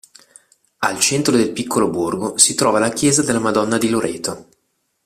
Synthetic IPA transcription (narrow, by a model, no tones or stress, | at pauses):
alt͡ʃɛnt̪ɾod̪elpikːoloburɡosit̪ɾɔːvalakjɛːzad̪elːamad̪ɔnːad̪iloɾʔɛ̰ːt̪o